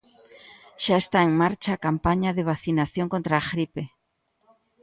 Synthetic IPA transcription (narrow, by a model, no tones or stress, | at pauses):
ʃaest̪aeŋmaɾt͡ʃaːkampaɲaðeβ̞aθinaθjoŋkont̪ɾaːɣɾipe